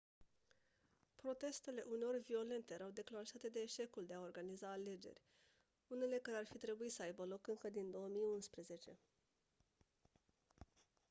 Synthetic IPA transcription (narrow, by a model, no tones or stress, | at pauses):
pɾo̞t̪e̞st̪e̞le̞ʔuneo̞rʲvio̞le̞nt̪e̞ɾawd̪e̞klaŋʃat̪e̞d̪e̞ːʃe̞kuld̪e̞ao̞rɡanizaːle̞d͡ʒe̞̰rʲ | une̞le̞kaɾearfit̪ɾe̞buisəajbəlo̞kɨŋkəd̪ind̪o̞wəmijunspɾeze̞t͡ʃe̞